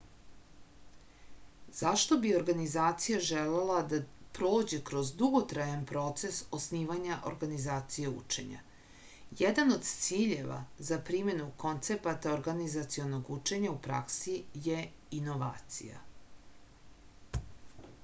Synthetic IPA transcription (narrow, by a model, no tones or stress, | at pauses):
z̥aʃt̪o̞bio̞ɾɡanizaːt̪sijaʒelelad̪apɾod͡ʑekɾo̞zd̪uɡot̪ɾajanpɾo̞t̪se̞sosniːʋaɲaʔo̰ɾɡanizaːt̪sije̞ṵt͡ʃe̞̰ɲa̰ | jed̪ano̞d̪t̪siːʎeʋa̰zapɾime̞nuko̞nt̪se̞pat̪aoɾɡanizat̪sio̞noɡut͡ʃe̞ɲaupɾa̰ksijeino̞ʋa̰ːt̪sḭja̰